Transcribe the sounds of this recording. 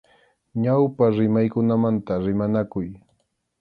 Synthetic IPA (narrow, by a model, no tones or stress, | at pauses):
ɲawpaɾɪmajkʊnamant̪aɾɪmanakʊj